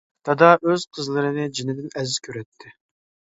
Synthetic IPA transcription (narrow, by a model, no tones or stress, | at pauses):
t̪ʰɑd̪ɑʔøz̥qʰəzlˠɨɾɨnɪd͡ʒinɪd̪ɪnɛzːkʲʰøɾɛt̪ʰːɪ